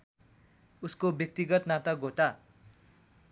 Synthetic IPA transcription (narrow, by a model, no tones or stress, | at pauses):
uskobjʌk̚t̪iɡʌt̪nat̪ʌɡʱot̪a